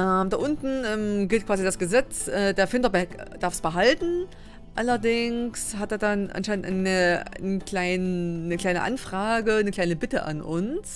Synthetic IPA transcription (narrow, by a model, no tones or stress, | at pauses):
ʔɛmdaːʔʊntn̩ʔɛːmɡɪltkv̥aːzidasɡ̥əzɛt͡sʔɛːdeːɐfɪntɐbɛkd̥aɐfsb̥əɦaltn̩ | ʔalɐdɪŋshat̚deːɐdanʔa̰nʃaɪnəntʔa̰nəkl̥aɪnːəkl̥aɪnə̰ʔa̰nfʁ̥aːɡənəkl̥aɪnəbɪtəʔa̰nʔʊns